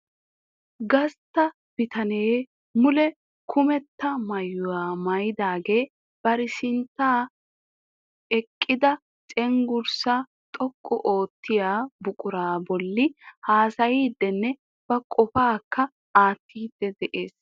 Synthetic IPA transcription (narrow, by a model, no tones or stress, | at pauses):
ɡɐst̪ːɐ | b̥ɪt̪ɐneː | mʊlɛ | kʰʊmɛt̪ːɐmɐjːʊwaːmɐjɪd̪aːɡe̞ː | b̥ɐɾɪsɪnt̪ːaː | ɛkʼːɪd̪ɐ | t͡sʼɛŋɡʊɾsɐ | t̪ʼɔkʼːɔʔo̞ːt̪ːɪjaːbʊkʼʊɾaːbɔlːɪhaːsɐjiːd̪ːɛnːɛ | b̥ɐkʼɔfaːkːɐ | aːt̪ːiːd̪ːɛd̪ɛʔe̞ːs